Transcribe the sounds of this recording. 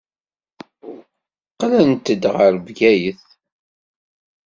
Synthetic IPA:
qːlænt̪əd̪ʁəɾvɡæjəθ

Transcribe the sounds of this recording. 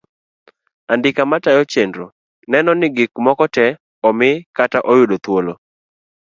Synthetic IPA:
andɪkamatajɔt͡ʃendɾo | nɛnɔnɪɡɪkmɔkɔtɛ | ɔmɪkataʔɔjʊdot̪wolo

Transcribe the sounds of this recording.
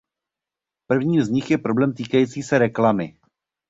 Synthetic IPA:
pr̩vɲiːmzɲɪxjɛpɾo̞blɛːmt̪iːkajiːt͡siːsɛɾɛklamɪ

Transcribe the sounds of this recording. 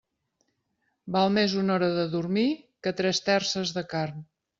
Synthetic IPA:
balˠmezunɔɾəðəðuɾmikət̪ɾɛst̪ɛrsəzðəkarn

